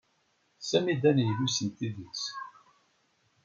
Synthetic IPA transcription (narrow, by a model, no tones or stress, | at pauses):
sæmid̪ænjlusənt̪iðis